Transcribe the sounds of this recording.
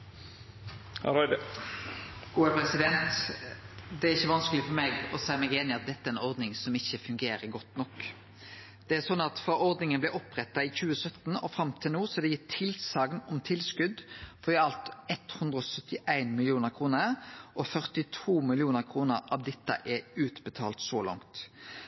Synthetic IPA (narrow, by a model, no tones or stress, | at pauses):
hɾɔʏd̪ə | ɡ̥uːɛpʰɾɛsɪd̪ɛnt̪ | d̪ɛæɾɪçːəʋɑnskəlɪfɔɾmeːɡɔsæɪmɛːɡeːnɪɑt̪̚d̪ɛt̪ːəæɾɛnɔʁd̪nɪŋsɔmɪçːəfʉŋɡeːɾəɾɡɔt̪nɔk | d̪̥ɛæsɔnːɑt̪fɔʁɔʁd̪nɪŋənblɛʔɔpːʁɛt̪ːɑɪçʉːəsœt̪ːn̩ɔfɾɑmt̪ʰɪlnuːsɔd̪ɛjɪt̪ʰɪlsɑːɡnɔmt̪ʰɪlskʉd̪fɔɛɑlt̪ɛt̪hʉnd̪ʁəɔsœt̪ːɪʔæɪnmɪlɪuːnəɾkʰɾuːnəʔɔfœʁt̪ɪt̪ʰuːmɪlɪuːnəkʰɾuːnəɾɑʋd̪ɛt̪ːə̰ʔɛʉːt̪bət̪ʰɑːlt̪sɔlɑ̰ŋt̪